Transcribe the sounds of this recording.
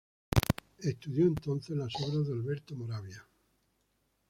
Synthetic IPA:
e̞st̪uðjo̞ent̪o̞n̟θezlaso̞β̞ɾazðealβe̞ɾt̪omoɾaβja

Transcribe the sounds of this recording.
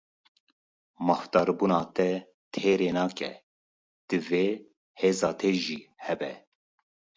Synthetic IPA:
mɑːft̪ɑːɾbunɑːt̪ʰɛ | t̪ʰeːɾeːnɑːkɛ̰ | d̪̥ɨveː | heːzɑːt̪ʰeːʒiːhɛbɛ

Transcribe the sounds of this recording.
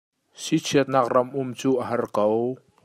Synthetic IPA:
sit͡sʰiət̪̚naːk̚rɐmʔʊmt͡suːʔəɦɐrkow

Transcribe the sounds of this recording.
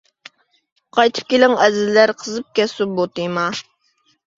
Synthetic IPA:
qʰɑjt̪ʰɨ̥p̚kʲelɪŋɛzɪzːæɾqʰəzɨp̚kʲɛsubot̪ɨjmɑ

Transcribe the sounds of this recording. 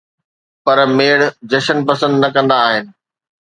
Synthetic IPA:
pɐɾmeːɽd͡ʑɐʃənpɐsə̃nd̪nɐkɐ̃nd̪aːɦɪnɪ̆

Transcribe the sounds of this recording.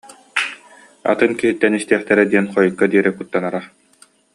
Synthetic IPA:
a̰t̪ɯnkiɦit̪ːɛnist̪iːχt̪ɛɾɛd̪iɛnχɔjɯkːad̪iɛɾɛkut̪ːanaɾa

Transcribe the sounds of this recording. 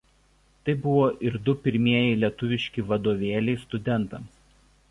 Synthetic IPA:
t̪ɐɪbʊʋoːʔɪɾd̪ʊpʲɪɾʲmʲiɛjɪlʲiɛt̪ʊʋʲɪʃʲkʲɪʋɐd̪oːʋʲeːlʲɛɪst̪ʊd̪ʲɛnt̪ɐms

